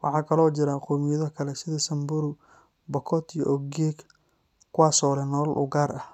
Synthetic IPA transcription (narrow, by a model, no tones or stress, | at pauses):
wɑħɑːkʰɐlɔːt͡ʃɪɾaːqɔːmɪjɐðɔkʰɐlɛsɪðɐsɐmbʊɾʊ | bɐkʰɔt̪ijɔʔɔɡɛɡ | kʰʊwaːsɔːlɛnɔlʔʊ̰ɡaːɾʔɐh